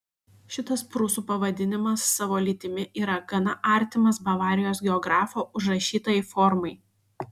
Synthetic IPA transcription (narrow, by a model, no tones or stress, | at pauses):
ʃʲɪt̪ɐspɾʊsuːpɐʋɐd̪ʲɪnʲɪmɐsːɑʋoːlʲiːt̪ʲɪmʲɪʔiːɾɐɡɐnɐʔɑˑɾʲt̪ʲɪmɐsbɐʋɑːɾʲɪjoːs̬ɡʲɛɔɡɾɑːfoːʊʒɾɐʃʲiːt̪ɐjɛfɔɾmɐɪ